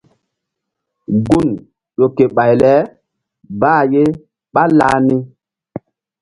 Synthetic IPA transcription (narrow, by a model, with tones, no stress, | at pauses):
ɡu˦˨n | ɗo˨ke˨ɓa˨jlɛ˨˦ | baː˦˨je˦ | ɓa˦la̰ː˦ni˦